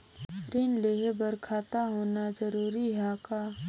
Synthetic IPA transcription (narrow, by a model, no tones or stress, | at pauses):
ɾɪnleɦebəɾkʰaːt̪aɦoːnad͡ʒəɾuːɾiɦaːkaː